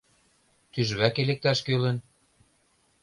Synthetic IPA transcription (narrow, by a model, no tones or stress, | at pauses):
t̪yʒβækelek̚t̪æʃkølə̆n